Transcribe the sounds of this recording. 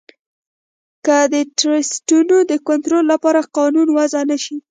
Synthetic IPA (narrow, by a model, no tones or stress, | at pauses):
kəd̪əʈɾɪsʈunod̪əkʊnt̪ɾolːapɑɾaqɑnunwazanaʃi